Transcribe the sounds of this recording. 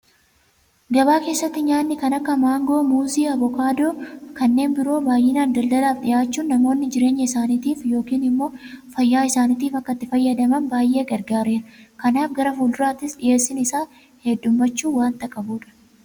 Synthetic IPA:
ɡɐbaːke̞ːsːɐt̪ːɪɲaːnːɪkɐnɐkːɐmaːŋɡo̞ːmuːziːɐbɔkaːd̪oːkɐnːe̞ːnbɪɾo̞ːbaːjʔːɪnaːnd̪ɐld̪ɐlaːfᶑɪjaːt͡ʃːuːnːɐmo̞ːnːɪd͡ʒɪɾe̞ːɲːɐɪsaːniːt̪iːfjo̞ːkiːnɪmːo̞ːfɐjːaːɪsaːniːt̪iːfɐkːɐt̪ːɪfɐjːɐd̪ɐmɐnbaːjʔe̞ːɡɐɾɡaːɾeːɾɐkɐnaːfɡɐɾɐfuːld̪ʊɾaːt̪ɪsɗɪje̞ːsːɪnɪsaː | hɛdːʊmbɐt͡ʃːuːwaːnt̪ɐkʼɐbuːᶑɐ̥

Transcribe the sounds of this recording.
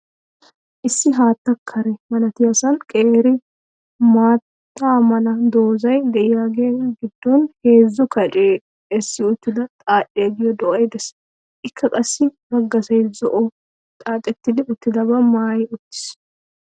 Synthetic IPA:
ʔɪsːɪɦaːt̪ːɐkʰːɐɾɛmɐnɐt̪ɪjɐsɐnkʼeːɾɪ | maːt̪ːaːmɐnɐd̪o̞ːzɐjd̪ɛʔɪjaːɡeːɡɪd̪ːɔnhe̞ːzːʊkɐt͡ʃʼeː | ɛsːɪʊt̪ːɪd̪ɐt̪ʼaːʔːeːɡɪjɔd̪ɔʔɐjd̪ɛs | ʔɪkʰːɐkʼɐsːɪbɐɡːɐsɐjzɔʔɔ | t̪ʼaːt̪ʼɛt̪ːɪd̪ɪʊt̪ːɪd̪ɐbɐmaːjʊt̪ːɪ̥s

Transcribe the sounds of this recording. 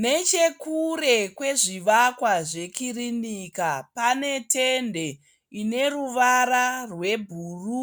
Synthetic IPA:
ne̞t͡ʃe̞kure̞kwe̞ʐiʋakwaʐe̞kirinikapane̞tende̞ | ine̞ruʋaɾarwe̞bʱuːru

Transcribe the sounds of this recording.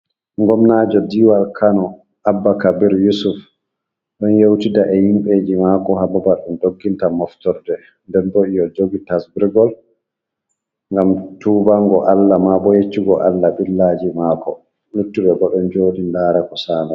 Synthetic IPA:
ŋɡɔmnad͡ʒɔdiwalkʰanɔ | ʔabːakabiɾjusuf | ɗɔnjewtidaʔɛhimɓed͡ʒimaːkɔɦababaɗumdoɡːintamɔftɔɾdɛ | ndɛndoʔijɔd͡ʒoɡitasbiɾɡɔl | ŋɡamtubaŋɡɔʔalːamabɔjet͡ʃːiɡɔʔalːaɓilːad͡ʒimakɔ | lutːuɓɛɡɔɗɛnd͡ʒoːdindaːɾakɔsaːna

